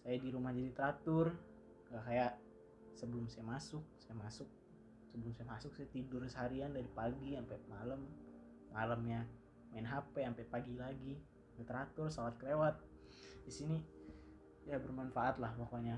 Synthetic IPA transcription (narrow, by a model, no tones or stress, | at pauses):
sajadiɾumahd͡ʒadit̪ɾat̪ʊr | akajaʔ | səbəlʊmsajamasʊk̚sajamasʊk̚ | səbəlʊmsajamasʊk̚sajat̪idʊrsəɦaɾiandaɾipaɡiampɛmaləmː | aləmja | maɪnɦapɛampɛpaɡilaɡi | bɛt̪ɾat̪ʊrsawat̪̚kəɾewat̪̚ | disini | jabərmanfaːt̪lahwakaɲa